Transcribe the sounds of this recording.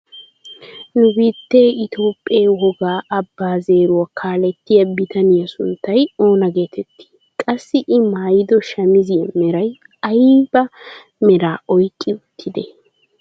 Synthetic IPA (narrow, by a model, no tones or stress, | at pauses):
nʊbiːt̪ːe̞ːɪt̪o̞ːpʼːeːwɔɡaːʔɐbːaːze̞ːɾʊɐkʰaːlɛt̪ːɪjɐbɪt̪ɐnɪjɐsʊnt̪ːɐjo̞ːnɐɡe̞ːt̪ʰɛt̪ʰːi̥ː | kʼɐsːɪʔɪmaːjɪd̪ɔʃɐmɪzɪɛmɛɾɐj | ɐjbɐ | mɛɾaːʔɔjkʼːɪʊt̪ʰːɪd̪ɛ